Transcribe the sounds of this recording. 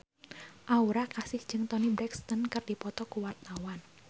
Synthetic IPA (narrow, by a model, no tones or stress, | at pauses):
ʔauɾakasɪhd͡ʒɨŋt̪ɔnibɾɛkst̪ənkɨrdipɔt̪ɔkuwart̪awan